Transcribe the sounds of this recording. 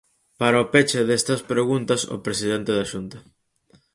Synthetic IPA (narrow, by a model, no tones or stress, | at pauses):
paɾaopet͡ʃeðest̪ɐspɾeɣunt̪ɐso̰pɾesiðent̪eðaʃunt̪ɐ